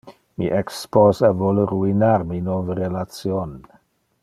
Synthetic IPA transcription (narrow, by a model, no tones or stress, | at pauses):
miʔɛksposavoləɾuinaɾminovəɾelat͡sion